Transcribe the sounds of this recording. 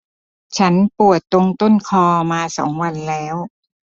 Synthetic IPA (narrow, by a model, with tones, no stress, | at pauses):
t͡ɕʰa˦˥npu˨˩ət̪ːo˧ŋt̪o˥˩nkʰɔː˧maː˧sɔ̰ː˩˦ŋwa˧nlɛː˦˥w